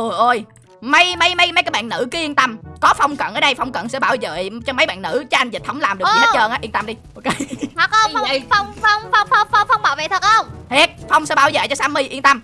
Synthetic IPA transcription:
ʔu˨˩jʔo˧˩j | mə˧jmə˧˦jmə˧˦jma˨˦kaː˨˦ɓa̰ː˧˨nːɨ̰˧˥kɨː˨˦ʔi˧ənt̪ə˧mkɔ˨˦fa˧wŋ͡mkə̰˧˨nʔəː˨˧˦ɗə˧jfa˧wŋ͡mkə̰˧˨nsɛ̰˧˥ɓaː˧˩wzə̰ː˧˨t͡ɕɔ˧mə˨˦jɓa̰ː˧˨nːɨ̰˧˥t͡ɕɔː˨˦ʔa˧jŋ̟zi˨˩ə˨˦wŋ͡mlaː˨˩mɗɨ˨˩k̚ːn̚˦t͡ɕəː˧ʔaː˨˦ʔənt̪a˧mɗi˧ʔo˧ke˧t̪ʰə˨˩k̚ə˧wfwŋ͡mfa˧wŋ͡mfwŋ͡mfa˧wŋ͡mfa˧wŋ͡mfa˧wŋ͡mɓaː˧˨˩vḛ˧˨˩t̪ʰə˨˩k̚ʔə˧wŋ͡mt̪ʰɛ˦˥t̚fa˧wŋ͡msɛ̰˧˥ɓaː˧˩wzə̰ː˧˨t͡ɕɔ˧saː˨˦mɨ˧jʔi˧nt̪ə˧m

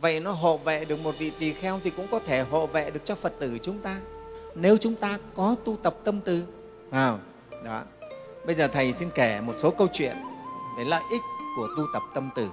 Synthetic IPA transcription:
və̰˧˨jnɔ˨˦ɦo̰˧˨vɛ̰˧˨ɗɨ˨˩ək̚mo˨˩t̚vḭ˧˨t̪i˨˩xɛ˧wt̪ʰi˨˩kʊ̰˧˥ŋ͡mkɔ˨˦t̪ʰe˧˩ɦo̰˧˨vɛ̰˧˨ɗɨ˨˩ək̚t͡ɕɔ˧fə˨˩t̚t̪ɨ˧˩t͡ɕʊ˨˦ŋ͡mt̪aː˧ne˨˦wt͡ɕʊ˨˦ŋ͡mt̪aː˧kɔ˨˦t̪u˧t̪ə˨˩p̚t̪ə˧mt̪ɨ˨˩ | vaː˨˩w | ɗɔ˨˦ | ɓə˧jzəː˨˩t̪ʰə˨˩jsi˧nke˧˩mo˨˩t̚so˨˦kə˧wt͡ɕwḭ˧˨ənɗə˨˦lə̰ː˧˨˩jʔï˦˥k̟̚ku˧˩ət̪u˧t̪ə˨˩p̚t̪ə˧mt̪ɨ˧˩

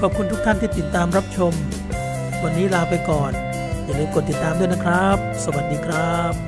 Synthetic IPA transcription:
kʰɔː˨˩p̚kʰu˧nt̪u˦˥kt̪ʰa˥˩nt̪ʰiː˥˩t̪i˨˩t̪ːaː˧mɾa˦˥p̚t͡ɕʰo˧m | wa˧nːiː˦˥ɾaː˧pa˧jkɔː˨˩n | aː˨˩lɤː˧jko˨˩t̪ːi˨˩t̪ːaː˧d̪u˥˩əna˥kʰɾa˦˥p̚sa˧wa˨˩t̪̚diː˧kʰɾa˦˥˩p̚

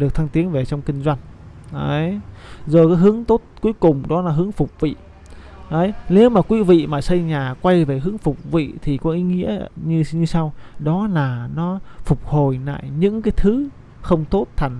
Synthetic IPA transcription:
ɗɨ˨˩ək̚t̪ʰa˧ŋt̪i˨˦ənve˨˩t͡ɕɔ˧wŋ͡mkï˧ŋ̟zwa˧jŋ | ʔə˨˦jzo˨˩kaː˨˦jɦɨ˨˦əŋt̪o˦˥t̚ku˨˦əjkʊ˨˩ŋ͡mɗɔ˨˦laː˨˩ɦɨ˨˦əŋfʊ˨˩k͡p̚vḭ˧˨ | ʔə˨˦jne˨˦wmaː˨˩kwi˨˦vḭ˧˨maː˨˩sə˧jɲaː˨˩kwa˧jve˨˩ɦɨ˨˦əŋfʊ˨˩k͡p̚vḭ˧˨t̪ʰi˨˩kɔ˨˦ʔi˨˦ŋḭ˧˥əɲ˧ɲɨ˧sa˧wɗɔ˨˦laː˨˩nɔ˨˦fʊ˨˩k͡p̚ho˨˩jna̰ː˧˨jɲɨ̰˧˥ŋkaː˨˦jt̪ʰɨ˨˦ | xə˧wŋ͡mt̪o˦˥t̚t̪ʰa˨˩ŋ

